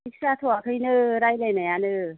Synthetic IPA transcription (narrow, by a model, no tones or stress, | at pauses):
ik̚sat̪ʰoakʰɯjnɯɾajlajnajanɯ